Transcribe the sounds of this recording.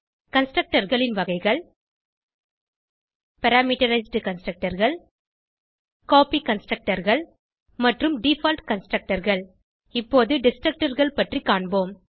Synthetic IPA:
kɐnsʈɾɐk̚ʈɐɾɣɐɭɪnʋɐɣɐɪɣɐɭ | pɐɾaːmiːʈɐɾɐɪsɖɯkɐnsʈɾɐk̚ʈɐɾɣɐɭ | koːpikɐnsʈɾɐk̚ʈɐɾɣɐɭ | mɐʈrɯmɖifaːlʈkɐnsʈɾɐk̚ʈɐɾɣɐɭ | ɪpːoːðɯɖɪsʈɾɐk̚ʈɐɾɣɐɭpɐʈrikːaːɳboːm

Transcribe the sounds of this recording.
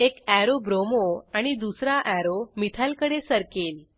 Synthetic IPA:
ekæɾobɾomoaɽ̃id̪usɾaʔæɾomit̪ʰalkəɽesəɾkel

